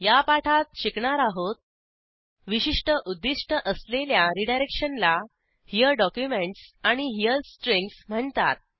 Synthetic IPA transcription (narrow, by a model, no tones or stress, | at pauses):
japaʈʰat̪̚ɕikɳaɾaɦot̪̚ | ʋiɕiʂʈəʔud̪ːiʂʈəʔəsleljaɾiɖajɾekʂənla | hijəɖɔkjumeɳʈsaɽ̃iɦijəɾsʈɾeŋksm̤əɳt̪a̰t̪̚